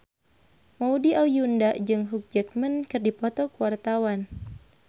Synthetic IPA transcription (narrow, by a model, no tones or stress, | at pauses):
maudiʔaujundaʔd͡ʒɨŋɦuk̚d͡ʒək̚mənkɨrdipɔt̪ɔkuwart̪awan